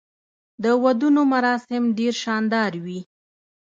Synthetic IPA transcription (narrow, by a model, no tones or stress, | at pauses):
d̪əwad̪unomaɾɑsɪmɖeɾʃɑnd̪ɑɾwi